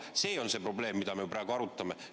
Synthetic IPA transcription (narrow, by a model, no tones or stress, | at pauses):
se̞ːo̞nse̞ːpro̞ble̞ːmːid̪̥ɑmejuprɑæeɡ̥uɑɾut̪ːˑɑme̞